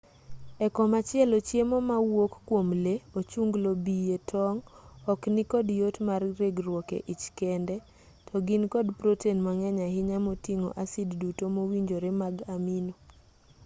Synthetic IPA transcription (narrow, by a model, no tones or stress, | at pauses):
ɛkɔmat͡ʃɪɛlot͡ʃjemomawokːwomleot͡ʃuŋɡlobijetʰɔŋɔknikɔdjotmarɾeɡɾwɔkḛʔit͡ʃkɛndɛ | tʰɔɡinkɔdpɾotenmaŋɛɲaɦɪɲamotiŋo̰ʔasiddutomowiɲd͡ʒoɾemaɡamino